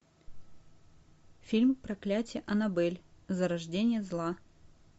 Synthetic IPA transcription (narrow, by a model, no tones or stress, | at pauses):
fʲilʲmpɾɐklʲætʲɪjəʔɐnɐbɛlʲzəɾɐʐdʲenʲɪjəzlˠa